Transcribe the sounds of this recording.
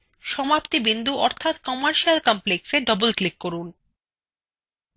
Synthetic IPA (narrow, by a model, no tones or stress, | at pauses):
ʃɔmapt̪ibind̪ʱuʔɔɾt̪ʰat̪kɔmaɾʃialkɔmplekseɖɔbolklikːoɾun